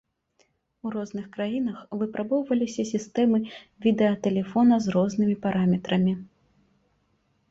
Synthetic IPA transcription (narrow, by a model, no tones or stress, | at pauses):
uɾɔznɨxkɾajin̪ɐxvɨpɾabɔwvɐlʲisʲɐsʲist̪ɛmɨvʲid̪ɛɐt̪ɛlʲɛfɔnɐzrɔznɨmʲipaɾamʲɛt̪ɾɐmʲi